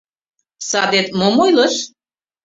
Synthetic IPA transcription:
sɑd̪et̪momojləʃ

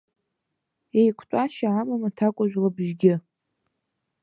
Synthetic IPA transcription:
ejkʷʰtʼaʃaːmamatʰakʷʼʊʒʷᶣlabʒɡʲɪ

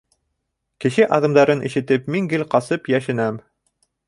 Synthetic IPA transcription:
kɘ̆ʃɘʔɑðɤ̆md̪ɑɾɤnʔḭ̆ʃɘ̆t̪ɘpmiŋɡɘlqɑsɤpjæʃɘ̆næm

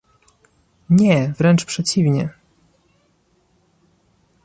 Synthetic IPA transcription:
ɲɛvɾɛnt͡ʂpʂɛt͡ɕivɲɛ

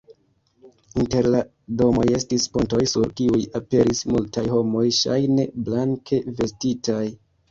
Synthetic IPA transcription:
inte̞ɾla | do̞mo̞je̞stisponto̞jsuɾkiujape̞ɾismultʰajho̞mo̞jʃa̰jne̞blaŋkʰe̞ve̞stitaj

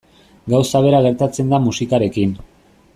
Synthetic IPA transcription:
ɡawsaβe̞ɾaɣe̞ɾt̪at͡se̞nd̪amusikaɾe̞kin

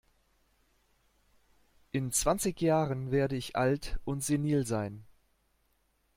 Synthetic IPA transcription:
ʔɪnt͡sv̥ant͡sɪçjaːʁənveːɐdəɪçʔa̰ltʔʊntz̥eniːlzaɪn

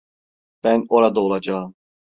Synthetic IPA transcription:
b̥ɛnɔɾad̪oːlˠad͡ʒɑːm

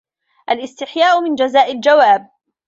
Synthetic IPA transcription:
ʔalʔɪst̪ɪħjaːʔʊmɪnd͡ʒazaːʔald͡ʒawaːb̚

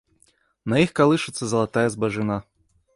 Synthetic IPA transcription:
nɐjixkɐlˠɪʃɪt̪sʲːɐzɐlˠɐt̪ajɐzbɐʒɪna

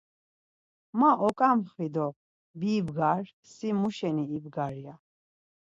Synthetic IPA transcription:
maʔɔkʼamχvid̪ɔ | biːbɡaɾ | simuʃɛniːbɡaɾija

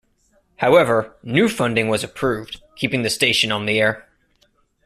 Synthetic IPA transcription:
haʊɛvə˞nʉfʌ̃ndɪ̃ŋwʌzɨpʰɹ̥ʉvd̥kʰipɪ̃ŋðɨsteɪʃɨ̃nə̃nðiɛɹ

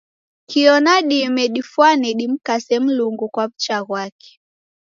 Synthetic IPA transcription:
kiɔnaɗimɛɗifwanɛɗim̩kasɛm̩luŋɡukwam̩t͡ʃaɣwakɛ̥

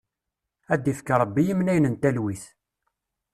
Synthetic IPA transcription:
æd̪ifkːaɾˤəbːijimnæjnənt̪ælwiθ

